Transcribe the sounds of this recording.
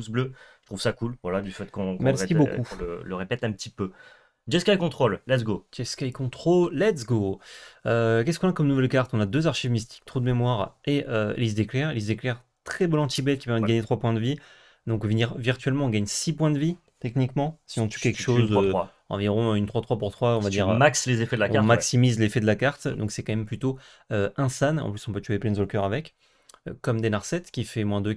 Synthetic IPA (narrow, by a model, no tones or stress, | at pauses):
usbløʒət̪χuvsakulvwalad̪yfɛt̪kɔ̃kmɛlsskibokũələʁepɛt̪ɛ̃pət̪ipø | dʒɛskʲajkɔ̃t̪χollɛt̪s̬ɡo̥ɛskʲajkɔ̃t̪χoːɛt̪sɡoøkɛskɔ̃nakɔmnuvɛlkaʁt̪ɔ̃nad̪øzaʁʃivmist̪i̥k̚t̪χod̪əmemwaʁeøḛlis̬d̪eklɛʁelizd̪eklɛʁ | t̪χɛbɔlɑ̃t̪ibɛt̪kʲi̥pɛʁmɛd̪əɡaɲet̪χwapwɛ̃d̪əvi | d̪ɔ̃kviʁviʁt̪ɥɛlmɑ̃ɔ̃ɡaɲsipwɛ̃d̪əvi | t̪ɛknikmɑ̃siɔ̃t̪ykʲɛlkʃozøa | ɑ̰̃viʁɔ̃ynt̪χwat̪χwapuʁt̪χwaɔ̃vad̪iiʁmakslezefɛd̪əlaɔ̃ãmaksimizlefɛd̪əlakaʁt̪d̪ɔ̃ksɛkɑ̃mɛmplyt̪o | øɛ̃sanɑ̰̃plysɔ̃pøt̪yeplɛnzɔlkʲœʁavɛk | økɔmd̪enaʁsɛt̪kʲifɛmwɛ̃d̪ø